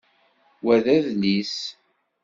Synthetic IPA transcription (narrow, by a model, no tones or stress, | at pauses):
wæðæðnis